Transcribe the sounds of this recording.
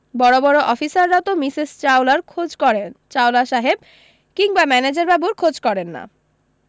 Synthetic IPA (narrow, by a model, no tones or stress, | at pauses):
bɔɾobɔɾoʔɔfisaɾːat̪omisist͡ɕawlaɾkʰod͡ʑkɔɾent͡ɕawlaʃaɦeb̚ | kiŋbamɛned͡ʑeɾbabuɾkʰod͡ʑkɔɾenːa̰